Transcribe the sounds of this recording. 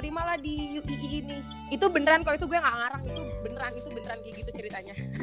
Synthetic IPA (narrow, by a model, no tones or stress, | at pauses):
ɾimalahdijuʔiʔiːni | it̪ubənəɾankawit̪uɡuɛŋɡaʔŋaɾaŋit̪ubənəɾanit̪ubənəɾankiɡit̪ut͡ʃəɾit̪aɲa